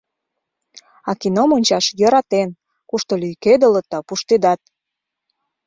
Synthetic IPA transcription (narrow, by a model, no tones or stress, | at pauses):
ɑkinomonʲt͡ɕɑʃjə̆ɾɑt̪en | kuʃt̪olyjked̪ələt̪̚ːɑpuʃt̪ed̪ɑt̪̚